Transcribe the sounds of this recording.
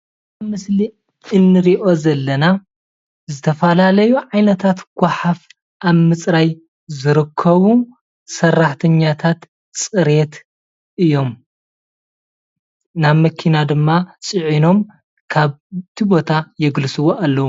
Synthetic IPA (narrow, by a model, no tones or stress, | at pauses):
amɨsli | ɨnːɨɾiʔo̞zɐlːɐna | zɨt̪ʰɐfɐlalɐjuʕajnɐt̪ʰat̪ɡ̥ʷaħaf | ʔaβmɨt͡sʼɾaj | zɨɾɨkʰːɐβu | sɐrːaħt̪ʰɐɲːat̪ʰat̪ | t͡sʼɨɾet̪ | ʔɨjo̞m | naβmɐkʰinad̪ɨmːasʼɨʕino̞m | kʰaβt̪ʰibo̞t̪ʰajɛɡlsɨwoʔalːɐwu